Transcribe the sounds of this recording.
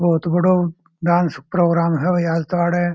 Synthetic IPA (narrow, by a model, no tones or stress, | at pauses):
bəɦʊt̪bəɽo | ɖaːnspɾoːɡɾaːmɦeʋɐjaːd͡zt̪ʋaːɽe